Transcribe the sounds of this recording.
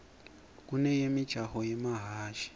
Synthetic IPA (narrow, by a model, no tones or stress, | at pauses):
k̬ʼunɛjemid̥ʒ̥ʱahɔjɛmaɦaːʃi̥